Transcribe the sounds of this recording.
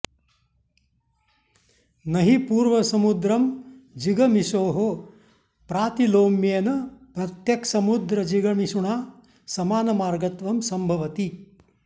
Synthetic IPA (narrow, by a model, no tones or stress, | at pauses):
nɐɦipuːɾʋɐsɐmud̪ɾɐmd͡ʒiɡɐmiʃoːɦo | pɾaːt̪iloːmjeːnɐpɾɐt̪jɐksɐmud̪ɾɐd͡ʒiɡɐmiʃuɳaː | sɐmaːnɐmaːɾɡɐt̪ʋɐmsɐmbʱɐʋɐt̪i